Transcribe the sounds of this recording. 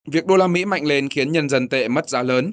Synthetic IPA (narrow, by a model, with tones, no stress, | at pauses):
vi˨˩ək̚ɗo˧laː˧mḭ˧˥ma̰˧˨jŋ̟le˧nxi˨˦ənɲə˧nzə˧˩nt̪ḛ˧˨mə˦˥t̚zaː˨˦ləː˨˦n